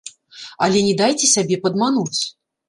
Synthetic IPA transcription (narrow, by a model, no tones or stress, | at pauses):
ɐlʲɛnʲɛd̪ajt͡sʲɛsʲabʲɛpɐd̪manut͡sʲ